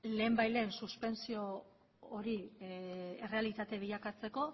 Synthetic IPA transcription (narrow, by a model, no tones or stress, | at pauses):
le̞ːmbajle̞ːnsuspe̞nsio̞ː | ɾi | ere̞alit̪at̪e̞β̞iʎakat͡se̞ko̞